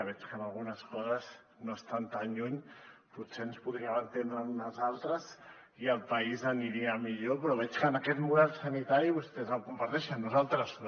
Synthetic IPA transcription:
β̞ɛt͡ʃkənalˠɣ̞unəskɔzəz | noəst̪ant̪anʎuɲpuseənspuðɾiaβənt̪end̪ɾəunazalˠt̪ɾəz | iəlˠpəizəniɾiəmiʎopɾɔβɛt͡ʃkənəkɛt̪muðɛlˠsənit̪aɾiβust̪ɛzəlkumpaɾt̪ɛʃənːuzalˠt̪ɾəz

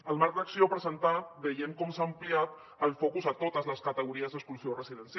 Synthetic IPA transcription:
əlˠmaɾk̚d̪əksiopɾəzənt̪abəjemkɔmsaːmpliat̪ | əlˠfokuzət̪ot̪əzləskət̪əɣuɾiəzd̪əkskuluziorəziðəns

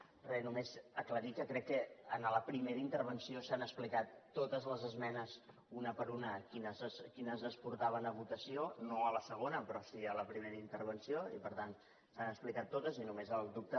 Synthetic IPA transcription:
rɛnumezəkləɾikəkɾɛkːəənələpɾimeɾəint̪əɾβ̞ənsiosanəksplikat̪ːot̪əzləzəzmɛnəz | unəpəɾunəkinəzəzkinəzəspuɾt̪aβ̞ənəβ̞ut̪əsionoələsəɣ̞onəpɾɔsiələpɾimeɾəint̪əɾβ̞ənsioḭpəɾt̪an | sanəksplikat̪ːot̪əzinumezəlˠd̪up̚t̪ə

